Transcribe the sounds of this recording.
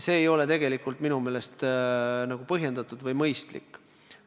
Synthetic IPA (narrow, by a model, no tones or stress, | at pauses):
se̞ːjo̞le̞t̪e̞ɡ̥e̞likːˑult̪ˑminume̞ːle̞st̪nɑɡ̥upɤɦje̞nd̪̥ɑt̪ːˑud̪̥vɤjmɤjst̪lḭkːˑ